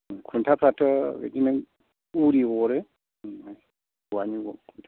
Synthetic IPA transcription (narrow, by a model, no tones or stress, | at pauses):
kʰuntapatɔwɛ̰ɗina | uɾiwɔɾɛ | a | waɲiɡɔ̰kunta